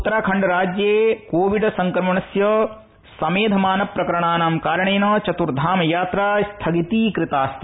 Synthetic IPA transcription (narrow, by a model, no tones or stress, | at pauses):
ut̪ːɐɾaːkʰɐɳɖɐɾaːd͡ʒjeːkoːʋiɖsɐŋkɾɐmɐɳɐsjɐ | sɐmeːd̪ʱɐmaːnɐpɾɐkɐɾɐɳ̃aːnaːmkaːɾɐɳeːnɐːt͡ʃɐt̪uɾd̪ʱaːmjaːt̪ɾaːst̪ʰɐɡit̪iːkɾɪt̪aːst̪ʰi